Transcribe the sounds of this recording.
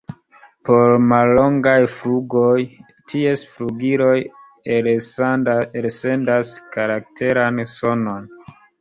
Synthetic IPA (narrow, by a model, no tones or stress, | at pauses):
po̞ɾmalːo̞ŋɡajfluɡo̞j | tʰie̞sfɾuɡiɾo̞j | eɾse̞ndaskaɾak̚tʰe̞ɾanso̞no̞n